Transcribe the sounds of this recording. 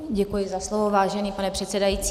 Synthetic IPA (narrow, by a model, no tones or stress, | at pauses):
ɟɛkujɪzaslovovaːʒɛniːpanɛpr̝̥ɛt̪sɛdajiːt͡si